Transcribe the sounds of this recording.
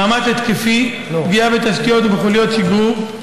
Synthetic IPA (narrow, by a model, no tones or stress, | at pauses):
amat͡set̪kefi | pɡiabet̪askijo̞t̪beχulijo̞t̪siɡum